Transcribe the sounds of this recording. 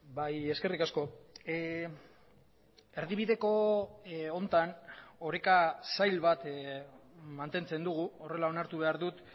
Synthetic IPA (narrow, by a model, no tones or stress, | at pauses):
baje̞ske̞rikasko̞ | e̞ɾðiβ̞iðe̞ko̞ | ont̪ano̞ɾekasajlβat̪ | mant̪e̞nt͡se̞nd̪uɣ̞uore̞lao̞naɾt̪uβ̞e̞aɾðut̪